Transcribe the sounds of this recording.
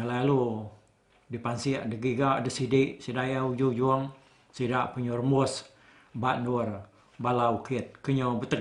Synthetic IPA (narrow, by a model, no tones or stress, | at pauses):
ŋəlalu | dipansiaʔdəɡiɡaʔdəsidiʔsidajaud͡ʒud͡ʒuəŋ | sidaʔpəɲurmus | baʔnur | balawkit̪̚kəɲobət̪ə